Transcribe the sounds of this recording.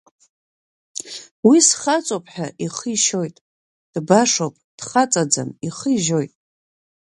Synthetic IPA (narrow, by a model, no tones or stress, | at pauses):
wisχat͡sʼopʰʼħᶣaʔiχəjʃo̞jtʼ | d̥baʂopʼd̥χat͡sʼad͡za̰miχəiʒo̞jtʼ